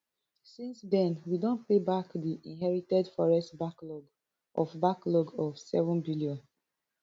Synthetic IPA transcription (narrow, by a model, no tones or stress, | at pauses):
sĩnsdɛ̃nwidõntpebakdiʔĩnɦɛɹitɛdfɔɹɛstbaklɔɡ | ʔɔfbaklɔɡɔfsɛvɔ̃nbiliɔ̃n